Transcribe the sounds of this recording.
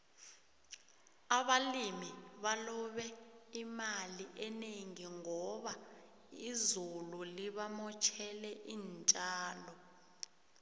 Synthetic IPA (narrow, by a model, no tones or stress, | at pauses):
aɓalimiɓalɔɓɛimaliʔɛneŋiŋɔɓa | izululiɓamɔt͡ʃʰɛlɛʔiːnt͡ʃʼaːlɔ